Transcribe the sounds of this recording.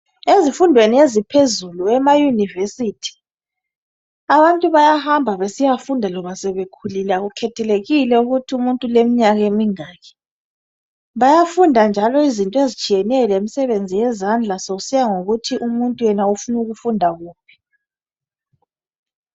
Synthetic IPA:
ezifundʱweniezipʰezuluɛmajunivesitʰi̥ | aβantʼuβajahambʱaβesijafundʱalɔβasɛβekʰulilaɣukʰɛtʰɛleɣilɛuɣutʰiumuntʼulemiɲaɣaemiŋaɣɛ̥ | βajafundʱand͡ʒʱalɔizintʼɔezit͡ʃʼijɛnɛlemisɛβend͡zʱijɛzand͡ɮʱasoɣusijaŋoɣutʰiʔumuntʼujɛnaufunuɣufundʱaɣuːpʰi̥

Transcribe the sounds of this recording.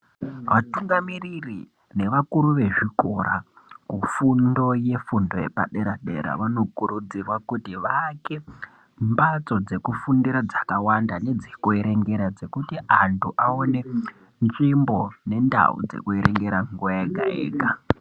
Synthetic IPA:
ʋatuŋɡamiriri | ne̞ʋakuɾuʋe̞ʐiko̞ɾa̰ | kufundo̞je̞fundo̞je̞̰pa̰ɗe̞ɾaɗe̞̰ɾa̰ʋano̞kuɾud͡zirwakutiʋake̞ | mbat͡so̞d͡ze̞kufundiɾad͡zakawandane̞d͡zikue̞ɾe̞ŋɡe̞ɾad͡ze̞kutiantʰuʔaone̞ | nʐimbo̞ne̞nda̰ṵd͡ze̞̰kueɾeŋɡe̞ɾaŋɡuaeɡʱa̰ḛːɡʱa

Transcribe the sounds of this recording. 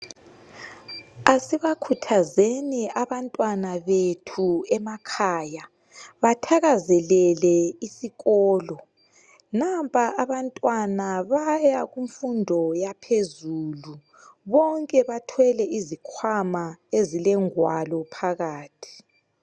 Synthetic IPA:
asiβakʰutʰazeniaβantʼwanaβetʰuɛmakʰaːja | βatʰaɣazɛlɛlɛisiɣɔːlɔ | nampʼaaβantʼwanaβajaɣuɱfundʱɔjapʰezuːlu | βɔŋkʼɛβatʰwɛlɛizikʰwamaezilɛŋwalɔpʰaɣaːtʰi̥

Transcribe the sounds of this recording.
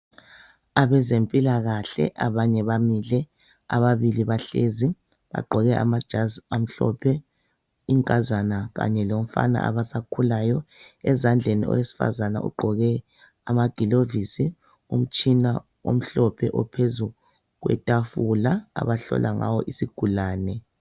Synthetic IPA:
aβɛzempʼilaɣaɬɛ̰ʔaβaɲɛβamilɛ | a̰βaβiliβaɬezi | βa̰ɡ͡ǃʱɔɣɛ | m̩ɬɔ̰pʰɛ | iŋkʼazanaɣa̰ɲɛlom̩fa̰na̰ʔa̰βasakʰulajɔɛzand͡ɮʱeniɔ̰wesi̥fa̰zana̰ṵɡ͡ǃʱɔɣɛ | amaɡ̥ʱilovisi | um̩t͡ʃʼina | o̰m̩ɬɔpʰɛʔɔpʰezu | ɣwɛ̰tʼafulaa̰βaɬɔ̰lʔaŋa̰wɔ̰ʔisiɡ̥ʱulaːnɛ

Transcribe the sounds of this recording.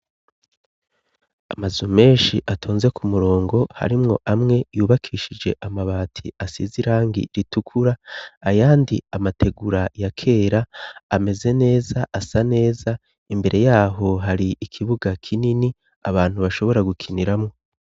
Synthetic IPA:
a̰mazume̞ːnʃiʔatʰoːnze̞kumuɾo̞ːŋɡo̞ha̰ɾimŋo̞̰ʔamŋe̞juːβakʰiːʃid͡ʒe̞ʔamaβaːtʰḭasḭziɾaːŋɡḭɾitukʰuɾaːjaːndḭamatʰe̞ɡuɾajakʰe̞ːɾaːme̞ze̞ne̞ːzaʔasane̞ːza | imbe̞ɾʔe̞jaːɦo̞ɦaɾiːkʰiβuɡakʰinini | a̰βaːn̥huβaʃo̞βo̞ɾaɡukʰiniɾamŋo̞

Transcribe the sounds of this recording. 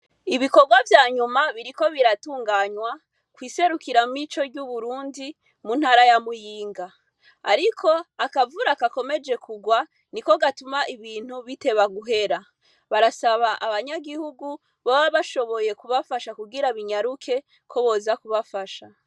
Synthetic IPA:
iβiko̞ɡwavjaːɲumaβiɾiko̞βiɾatuːŋɡaːɲwa | kwiːse̞ɾukiɾamumit͡ʃo̞dɟuβuɾuːndi | mun̥haːɾajamujiːŋɡa | a̰ɾikʰo̞akavuɾakako̞me̞d͡ʒe̞kʰuɡwa | niko̞ɡatumaʔiβiːn̥huβite̞βaɡuɦe̞ɾa | βaɾasaβaʔaβaɲaɡihuɡu | βaβaβaʃo̞βo̞je̞kuβafaʃakuɡiɾaβiɲaɾukʰe̞ | kʰo̞βo̞ːzakuβafaʃa

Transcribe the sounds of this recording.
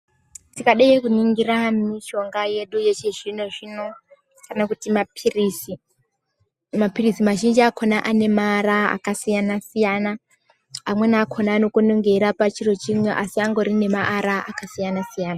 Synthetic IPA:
tikaɗejekuniŋɡiramiʃo̞ŋɡaje̞ɗuje̞t͡ʃe̞ʐino̞ʐino̞ | kanakutimapirisi | mapirisimaʒind͡ʒiakʰonaʔane̞maːɾaa̰kasijanasijana | amwenaːkʰo̞naːno̞konoŋɡeɾapat͡ʃiro̞t͡ʃimweʔasiaŋɡo̞ɾine̞maʔːɾaʔakasijanasijaːna

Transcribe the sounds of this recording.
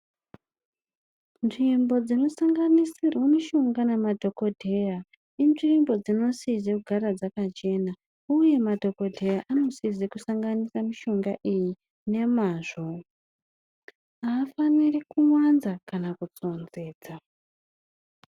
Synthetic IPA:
nʐimbo̞d͡zino̞saŋɡanisirwemiʃoŋɡanemadʱo̞ko̞dʱe̞ja | inʐiimbo̞d͡zino̞sizekuɡʱaɾad͡zakat͡ʃe̞na | uje̞madʱo̞ko̞dʱe̞jaʔano̞sizekusaŋɡanisamiʃo̞ŋɡaʔiji | ne̞maːʐo̞ | aːfanirikuwwanzakanakut͡so̞nze̞ːd͡za

